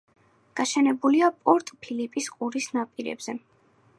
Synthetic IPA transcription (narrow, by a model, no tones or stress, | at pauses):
ɡ̥aʃɛnɛbuliapʼɔɾt̪ʼpʰilipʼisqʼuɾisnapʼiɾɛ̰bz̥ɛ